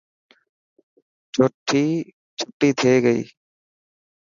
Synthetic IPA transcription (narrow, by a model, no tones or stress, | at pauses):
t͡ʃʰʊʈʰiː | t͡ʃʰʊʈːiːt̪ʰeːɡəḭː